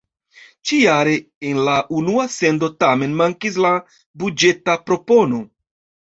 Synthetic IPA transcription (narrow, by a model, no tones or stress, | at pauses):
t͡ʃijaɾe̞ | enlaʔunuase̞ndo̞tame̞nmaŋkis̬la | bud͡ʒe̞tapɾo̞po̞no̞